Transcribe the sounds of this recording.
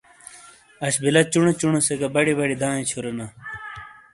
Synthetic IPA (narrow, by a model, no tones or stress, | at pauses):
ɐɕbilɐt͡ɕuɳet͡ɕuɳɐseɡɐbɐɽibɐɽid̪ãːĩt͡ɕʰuɾɐna